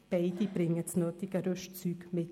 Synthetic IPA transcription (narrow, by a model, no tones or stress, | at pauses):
b̥aɪd̥ibɾɪŋət͡snøːt̪ɪɡəɾœʃt͡syːɡmɪt